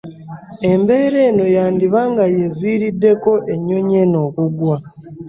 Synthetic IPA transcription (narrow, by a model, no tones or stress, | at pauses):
e̞mbe̞ːɾe̞ːno̞jaːndiβaŋɡaje̞viːɾidːe̞ko̞ʔeɲo̞ɲe̞no̞ːkuɡwa